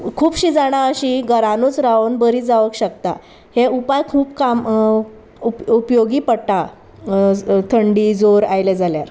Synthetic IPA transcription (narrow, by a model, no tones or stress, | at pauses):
kʰuːbɕiːd͡zaɽ̃aəɕiɡəɾanot͡sɾaonbəɾiːd͡zaʋəkɕəkt̪a | heupajkʰuːpkam | uupjoɡiːpəɽʈa | t̪ʰəɳɖiːd͡zoɾajled͡zaljaɾ